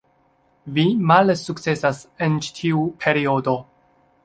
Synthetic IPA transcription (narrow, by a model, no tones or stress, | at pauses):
vimalsuk̚t͡se̞sasent͡ʃi̥tʰiupʰe̞ɾio̞do̞